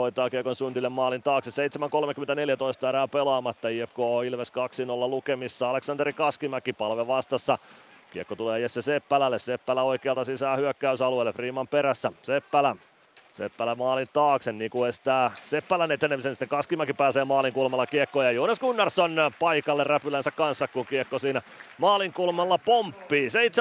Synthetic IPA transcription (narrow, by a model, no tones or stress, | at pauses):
hoit̪ˑɑːkiəkonsynt̪ilːemmɑːlint̪ɑːkseseit̪semæŋkolmekyment̪æneljæt̪oist̪ɑeɾæːpelɑːmɑt̪ːɑiːefkoːilʋeskɑksinolːɑlukemisːɑɑleksɑnt̪erikɑskimækːipɑlʋeʋʋɑst̪ɑsːɑ | kiekːot̪uleːjesːesepːælælːessepːælæoikeːɑlt̪ɑsisæːhyøkːæysɑlueilːefriːmɑmpeɾæsːæsepːælæ | sḛpːælæmɑːlint̪ɑːksenniːŋkuest̪æːsepːælænet̪ːenːemsensit̪ːeŋkɑskimækipæːseːmɑːliŋkulmɑlːɑkiekːoːjɑjoːneskunːɑrsonpɑikɑlːerræpylænsækkɑnsːɑkkuŋkiekːosiːnæmɑːliŋkulmɑlːɑpompːiːseit̪se